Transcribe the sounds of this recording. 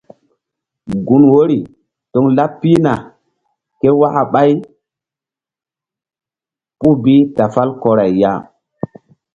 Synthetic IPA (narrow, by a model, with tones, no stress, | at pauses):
ɡu˨nwo˦ɾi˨ | to˨˦ŋla˦pːi˦na˨ | ke˦wa˦ʔa˨ɓa˦j | pu˦bi˦ta˨fa˦lko˨ɾa˨jja̰˦